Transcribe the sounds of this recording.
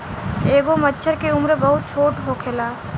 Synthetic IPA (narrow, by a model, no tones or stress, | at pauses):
eːɡomətːt͡ʃʰəɾkeʊmɾbəɦʊt̪̚t͡ʃʰoːʈɦokʰeːla